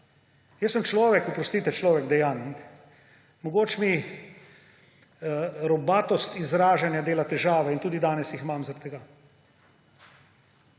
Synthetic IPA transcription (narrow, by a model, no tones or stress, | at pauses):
jɛsːəmt͡ʃlɔːʋɛkupɾɔst̪iːt̪ɛt͡ʃlɔːʋɛɡd̪ɛjaːnik | mɔɡoːt͡ʃmi | ɾɔbaːt̪ɔst̪izɾaːʒanjad̪eːlat̪ɛʒaːʋɛint̪uːd̪id̪aːnɛsjixmamzaɾat̪t̪ːɛɡaː